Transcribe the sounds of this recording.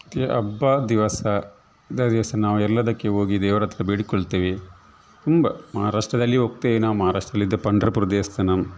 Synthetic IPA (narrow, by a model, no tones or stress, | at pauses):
ɐt̪jɐʔɐbːɐd̪iʋɐsɐ | d̪ɐd̪iʋɐsɐnaːʋuɛlːɐd̪ɐkːeo̞ːɡid̪ɛːʋɐɾɐt̪ːɾɐbiːɽikɔɭt̪eːʋi | t̪umbɐmɐɦaɾaːʂʈɾɐd̪ɐlːiɦoːɡ̚t̪eːʋinaːʋumɐɦaɾaːʂʈɾɐd̪ɐlːid̪ːɐpɐɳɖɾɐpuɾɐd̪eːst̪ʰɐnɐm